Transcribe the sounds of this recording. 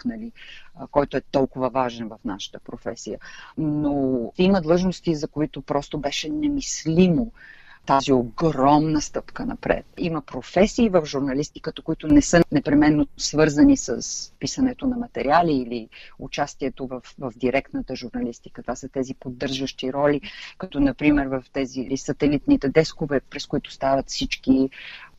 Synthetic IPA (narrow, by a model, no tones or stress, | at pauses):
knəlikɔjt̪oɛt̪ɔlˠkʊvəvaʒɛnvɐfna̰ʃə̥t̪ə̥pɾofɛ̰sijənot̪ɛiməd̪lˠɤʒnost̪izɐkoit̪opɾɔst̪obɛʃɛnɛmislimot̪azioɡɾɔmnəst̪ɤpkənɐ̰pɾɛ̰t̪̚iməpɾofɛsiːvəfʒuɾnɐlist̪i̥kət̪əkoit̪ʊnɛsɤnɛpɾɛmɛnːosvɤɾzənisə̰spisɐnɛt̪onɐmɐt̪ɛɾialiːliut͡ʃast̪iɛt̪ovəfvəvd̪iɾɛk̚t̪nət̪əʒuɾnɐlist̪i̥kət̪vasət̪ɛzipod̪ːɤɾʒəʃt̪iɾɔlʲikɐt̪ɔnɐpɾimɛɾvɐft̪ɛzilisɐt̪ɛlit̪nit̪ɛd̪ɛskovɛpɾɛskʊit̪ʊ̥st̪avət̪fsit͡ʃki